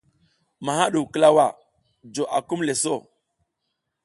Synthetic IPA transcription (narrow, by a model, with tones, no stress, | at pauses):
ma˨ha˦ɗu˨wkə˦la˦wa˨ | d͡ʒo˨ʔa̰˨ku˦mle˨so˦˨